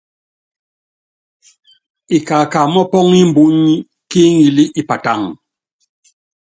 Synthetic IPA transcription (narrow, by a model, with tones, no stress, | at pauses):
i˨ka˨ka˨mɔ˦pɔ˦ŋi˦m̩˨bu˦ɲ˦ | ki˦ŋ˦i˨li˦ʔi˨pa˨ta˦˨ŋ